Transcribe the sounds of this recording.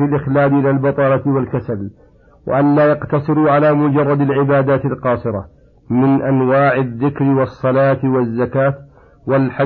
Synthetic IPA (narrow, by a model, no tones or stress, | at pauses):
ɪlʔɪxlaːd̪ʔɪlalbɑt̪ˤɑːlɑt̪walkasal | wa̰ʔanlaːjɑqt̪ɑsˤɨɾʕalaːmʊd͡ʒɑrˤːɑd̪alʕɪbaːd̪aːt̪ɪlqɑːsˤɨɾa̰ | mɪnʔanwaːʕɪðːɪkɾɪwɑsˤːɑlaːt̪ɪwazːakaːt̪ | walħa